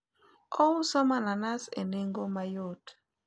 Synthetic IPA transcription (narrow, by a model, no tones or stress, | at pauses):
ɔwusɔmananasḛneŋɡomajot